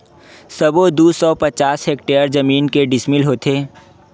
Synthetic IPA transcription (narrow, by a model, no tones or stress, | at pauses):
sɐbod̪uːsɔpɐt͡ʃaːsɦeːk̚ʈeːəɾd͡ʒɐmiːnkeɖɪsmɪlɦoːt̪ʰeː